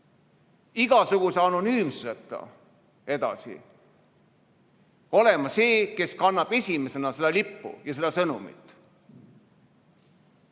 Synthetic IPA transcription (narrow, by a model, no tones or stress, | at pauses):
iɡ̥ɑsuɡ̥useɑnonyːmsuset̪ːˑɑ̰ | e̞d̪̥ɑ̰sḭ | o̞le̞mɑse̞ːke̞skɑnːɑb̥e̞sʲime̞se̞nɑse̞d̪̥ɑlipːṵjɑse̞d̪̥ɑsɤnumḭt̪ːˑ